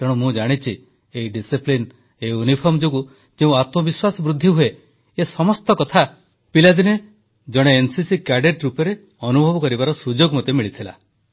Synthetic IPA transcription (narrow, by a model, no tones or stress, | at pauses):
t̪eɽ̃umũd͡ʒaɽ̃it͡ʃʰi | eiɖisiplin | eiunipʰɔɾmd͡ʒoɡu | d͡ʒeũat̪mɔbiswasɔbɾud̪ʱːiɦue | esɔmɔst̪ɔkɔt̪ʰa | pilad̪ine | d͡ʒɔɽ̃eːnsisikaɖeʈɾupɔɾe | ɔnubʱɔbɔkɔɾibaɾɔsud͡ʒoɡmɔt̪emiɭit̪ʰila̰